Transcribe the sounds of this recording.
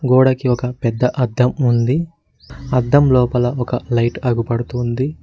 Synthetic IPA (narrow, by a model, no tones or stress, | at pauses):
ɡoːɽɐkiɔkɐpɛd̪ːɐʔɐd̪ʱːɐmund̪i | ɐd̪ʱːɐmlɔːpɐlɐɔkɐlɐjʈɐɡupɐɽut̪und̪i